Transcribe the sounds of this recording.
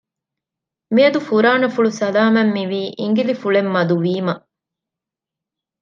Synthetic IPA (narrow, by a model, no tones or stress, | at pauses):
miɐd̪ufuɾaːnɐfuɭusɐlaːmɐmːiʋiːʔiŋɡilifuɭemːɐd̪uʋiːmɐ